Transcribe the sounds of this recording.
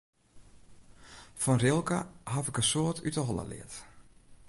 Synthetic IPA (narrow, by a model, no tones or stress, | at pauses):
fɔnrɪlˠkə̰hafɪkəsoːətʰytəɦɔlˠə̰lɪ̰ət